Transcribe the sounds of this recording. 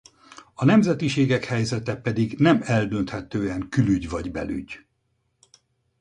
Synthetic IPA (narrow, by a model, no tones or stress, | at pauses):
ɒnɛmzɛt̪iʃeːɡɛkhɛjzɛt̪ɛpɛd̪iɡnɛmɛld̪ønt̪hɛt̪øːɛŋkylyɟvɒɟbɛ̰ly̰ɟ